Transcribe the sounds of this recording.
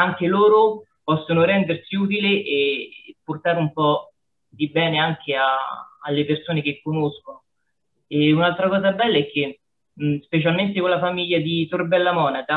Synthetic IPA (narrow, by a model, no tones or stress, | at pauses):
aŋk̟eloːɾo | pɔsːonoɾɛnd̪ersiuːt̪̬ileʔepːort̪aːɾumpɔ | d̪ibɛːneaŋk̟ʰea̰a̰lːepersoːnek̟ekːonoskono | eunalt̪ɾakɔːzabɛlːaɛk̟ːe | spet͡ʃalment̪ekonlafamiʎːad̪it̪orbɛlːamɔːnaka